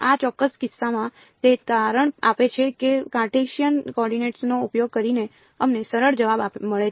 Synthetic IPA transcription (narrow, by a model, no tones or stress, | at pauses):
at͡ʃɔkːəskɪsːamã | t̪et̪aɾəɳapet͡ʃʰekekaɾʈeʃijənkɔɾɖineʈsnoupjoɡ̚kəɾine | əmnesəɾəɭd͡ʒəʋabaməɭe